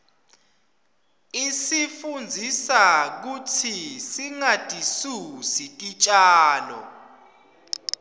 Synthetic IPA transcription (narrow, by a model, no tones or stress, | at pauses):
isifund͡zʱisak̬utʰisiŋad̥ʱʼisusik̬ʼit͡ʃʼaːlɔ̰